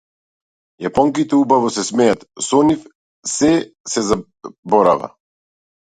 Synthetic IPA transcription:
japɔŋkit̪ɛubavɔsɛsmɛjat̪sɔnif | sɛsɛza | bɔɾa̰va̰

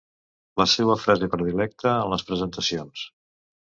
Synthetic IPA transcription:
ləsɛβəfɾazepɾəðilɛk̚t̪əːnləspɾəzənt̪əsions

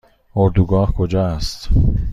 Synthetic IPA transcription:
oɾd̪uɡɒːhkʰod͡ʒɒːæst̪

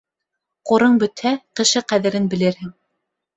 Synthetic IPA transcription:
qoɾɤɴbɵ̆t̪hæqɘ̆ʃɘqæðɘ̆ɾɘnbɘ̆lɘɾhɘŋ

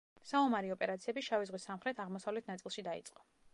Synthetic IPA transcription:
saumaɾiɔpʼɛɾat̪sʰiɛbiʃavizʁwisamχɾɛt̪ʰaʁmɔsavlɛt̪ʰnat̪sʼilˠʃid̪aḭt̪sʼqʼɔ̥

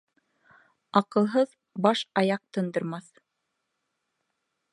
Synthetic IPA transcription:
ɑqɤ̆lˠɦɤð | bɑʃɑjɑq̚t̪ɤ̆nd̪ɤ̆ɾmɑθ

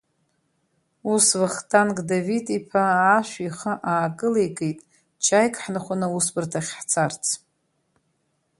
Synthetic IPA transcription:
usvɨχtʰʼankʼdavitʼipʰaːʃʷᶣiχaʔaːkʼɨlejkʼejtʼ | t͡ʃʰajkʼħnaχʷanɨusbɨrtʰaχʲħt͡sʰart͡sʰ

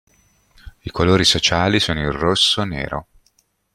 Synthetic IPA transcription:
ikoloːɾisot͡ʃaːlisoːnoirrosːonḛːɾo̰

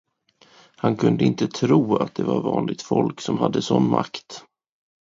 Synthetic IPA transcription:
hankʰɵnd̪əɪnt̪ət̪ʰɾuːat̪̚d̪ɛvaɾvɑːnlɪt̪fɔlksɔmhad̪ːəsɔnːmakt̪

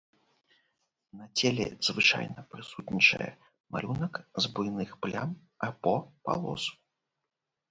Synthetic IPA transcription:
nɐt͡sʲelʲɛ̰zvɨt͡ʂa̰jnɐpɾɨsut̪ʲnʲit͡ʂɐ̰jɛ̰ | ma̰lʲunɐkzbujnɨxplʲam | apɔpa̰lˠɔsu̥

